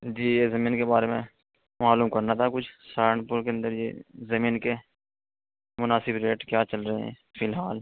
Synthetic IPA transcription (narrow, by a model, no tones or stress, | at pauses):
d͡ʒiːjeːzəmĩːnkebaːɾemẽ | maːluːmkɐɾnat̪ʰakʊt͡ʃʰsaːɾəɳʈpʊɾkeə̃nd̪əɾjḛzəmĩːnke | mʊnaːsɪbɾeːʈkjaːt͡ʃəlɾəɦeɦɛ̰̃ː | pʰɪlɦaːl